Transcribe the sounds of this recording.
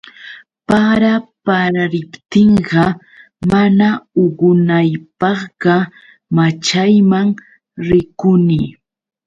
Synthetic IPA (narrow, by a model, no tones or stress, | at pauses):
paɾapaɾaɾɪpt̪ɪɴɢɑ | manaʊɢʊnajpɑχɢɑ | mat͡ʃajmaŋ | ɾɪkʊnɪ